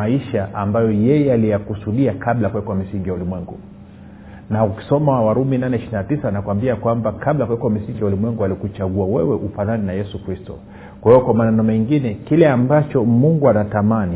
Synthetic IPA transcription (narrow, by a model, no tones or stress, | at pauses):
aiʃaʔambajɔjɛjɛalijakusuɗiakʰaɓlakwɛkɔamisiŋɡijaulimwɛŋɡṵ | nauki̥sɔmaawaɾuminanɛiʃiɾinatisaanakuwambiakwambakaɓlakwɛkɔwam̩siŋɡijaulimwɛŋɡualikut͡ʃaɠuawɛwɛʔufananinajɛsukɾistɔ̰ | kwahijɔkwamanɛnɔmɛŋɡinɛkilɛambat͡ʃɔmuŋɡuanatamani